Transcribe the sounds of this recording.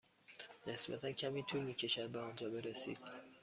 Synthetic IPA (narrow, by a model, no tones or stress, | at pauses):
ne̞sbæ̰t̪ʰæncʰæmiːt̪ʰuːlmiːcʰe̞ʃæd̪̚beɒːnd͡ʒɒːbe̞ɾesḭːd̪̥